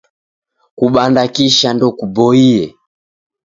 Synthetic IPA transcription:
kuɓandakiʃandɔkubɔiɛ

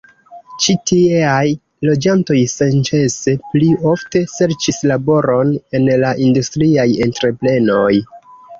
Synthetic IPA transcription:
t͡ʃitiaj | lo̞d͡ʒanto̞jsent͡ʃe̞se̞plio̞fte̞se̞ɾt͡ʃislabo̞ɾo̞ne̞nlaʔindustɾiajentɾe̞ple̞no̞j

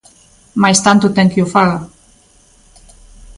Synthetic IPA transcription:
majst̪ant̪ut̪ɛŋkiufaɣa

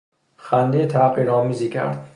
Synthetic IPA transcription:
xænd̪ejt̪ʰæqiːɾɒːmiziːkʲʰæ̰ɾd̪̥

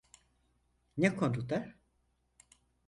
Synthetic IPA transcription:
nekʰond̪ud̪aɾ

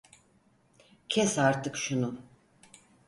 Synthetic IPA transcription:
cʰɛsaɾt̪ʰɯkʃunu

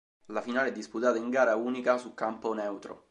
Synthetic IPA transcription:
lafinaːleɛd̪ːisput̪aːt̪aiŋɡaːɾauːnikasulkamponɛwt̪ɾo̰

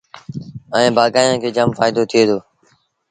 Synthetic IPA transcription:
əẽːbʱaːɡaːjãːkʰeːd͡ʒəmfaːjɪd̪oːt̪ʰɪjeːt̪ʰoː

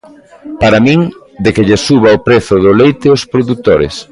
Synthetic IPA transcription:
paɾamĩŋ | d̪ekɪʎesuβ̞aopɾeθʊðʊlejt̪ɪʊspɾoðut̪oɾḛs

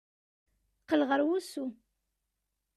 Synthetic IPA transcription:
qːəlʁəɾwusu

